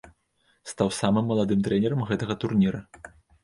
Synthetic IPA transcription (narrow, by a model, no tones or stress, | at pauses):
st̪awsamɨmːɐlˠad̪ɨmt̪ɾɛnʲɛɾɐmɣɛt̪ɐɣɐt̪urnʲiɾɐ